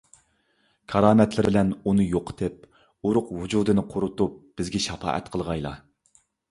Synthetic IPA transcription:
kʰɑɾɑːmɛt̪lɪɾɪlɛnunɨjoqʰə̥t̪ʰɨp̚ | uɾʊqvud͡ʒuːd̪ɨnɨqʰʊɾʊt̪up̚b̥ɪzɡʲɛʃɑfɑ̰ːʔɛ̰t̪qʰəlˠʁɑjlˠɑ̰

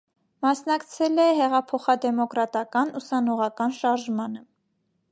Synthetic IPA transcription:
mɑsnɑkt͡sʰɛlɛɦɛʁɑpʰɔχɑd̪ɛmɔkɾɑt̪ɑkɑnusɑnɔʁɑkɑnʃɑɾʒmɑnə

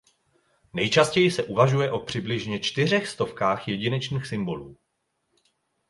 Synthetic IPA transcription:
nɛjt͡ʃascɛjɪsɛʔuvaʒujɛʔo̞pr̝̥ɪblɪʒɲɛt͡ʃt̪ɪr̝ɛxst̪o̞fkaːxjɛɟɪnɛt͡ʃniːxsɪmbo̞luː

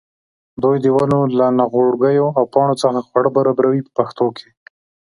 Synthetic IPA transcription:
d̪ujd̪əwanolanaɣoɽɡəjoawpɑɽ̃ot͡səxaxwaɽəbaɾɑbɾawipə̥paxt̪okʰe

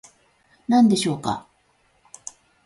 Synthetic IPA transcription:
nãnd̪e̞ɕo̞ːka̰

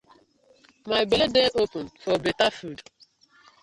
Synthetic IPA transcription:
majbeledeʔopʊn̩fɔbetafud

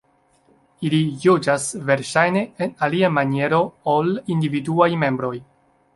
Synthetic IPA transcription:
ilijud͡ʒasve̞ɾʃajne̞enaliamanie̞ɾo̞olindividuajme̞mbɾo̞j

